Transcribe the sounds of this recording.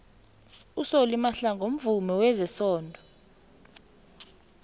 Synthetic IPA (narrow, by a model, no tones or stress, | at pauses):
usolimaɬaŋɡʱom̩vumɛwɛzɛsɔːndʱɔ